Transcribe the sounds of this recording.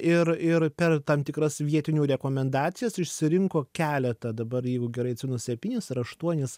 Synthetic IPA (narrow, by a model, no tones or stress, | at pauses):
ɪɾɪɾpʲɛrt̪ɐmt̪ʲɪkɾɐsʋʲiɛt̪ʲɪnʲuːɾʲɛkoːmʲɛnd̪ɑːt̪sʲɪjɛsɪʃʲsʲɪɾʲɪŋkoːkʲæːlʲɛt̪ɐd̪ɐbɐɾjɛɪɡʊɡʲɛɾɐɪɐt̪ʲsʲɪnosʲɛpʲiːnʲɪsɐɾɐʃt̪uɔnʲɪs